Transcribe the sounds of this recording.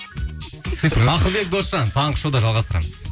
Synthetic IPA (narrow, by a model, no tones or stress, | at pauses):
ɑqəlˠbe̞k̚d̪o̞sʒɑnt̪ʰɑɴqʰə̥ʃuwd̪ɑʒɑlˠʁɑst̪əɾɑ̰məz̥